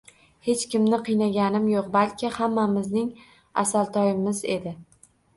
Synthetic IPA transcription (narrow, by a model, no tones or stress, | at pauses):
he̞t͡ʃkʲɪmnɪqʰɨjnaɡʲanɪmjoqbalkʲʰɪhamːamɪznɪŋ | a̰salˠt̪ʰɒjɪmɪze̞d̪ɪ